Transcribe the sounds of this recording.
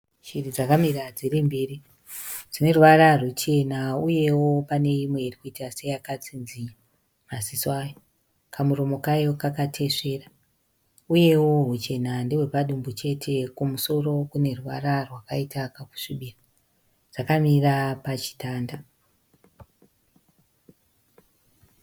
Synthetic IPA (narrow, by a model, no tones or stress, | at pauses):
t͡ʃirid͡zakamirad͡zirimbiːri | d͡zine̞ruʋaɾarut͡ʃe̞nauje̞wopane̞imwe̞irikuitase̞jakat͡sinziɲa | maziswajo | kʰamuromo̞kajo̞kakatʰe̞ʂe̞ra | uje̞wo̞ɦut͡ʃe̞nandewe̞paɗumbut͡ʃe̞tʰe̞kumuso̞ro̞kune̞ruʋa̰rarwakaitakaku̥ʂiɓira | ʐ̥akamirapat͡ʃi̥taːnda